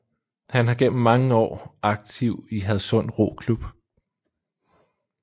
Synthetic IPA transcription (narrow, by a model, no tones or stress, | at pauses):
hænɦɑ̈ɡ̥en̰m̩ːɑ̈ŋəɒ̰ːɑ̈ɡ̥̚t͡sʰiʊ̰iɦæð̞̩ˠsɔ̽n̰d̥ʁo̝̰kʰlub̥